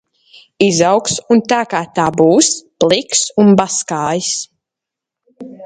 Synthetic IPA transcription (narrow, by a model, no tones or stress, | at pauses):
izawksunt̪aːkaːt̪aːbuːsplˠiksunbaskaːjis